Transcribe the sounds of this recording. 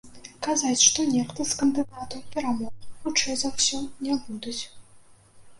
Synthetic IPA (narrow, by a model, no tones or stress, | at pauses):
kazat͡sʲʂt̪ɔnʲɛxt̪ɨskɐnd̪ɨd̪at̪ɐwpʲɛɾamɔɣxut͡ʂɛjzawsʲɔnʲɛbud̪ut͡sʲ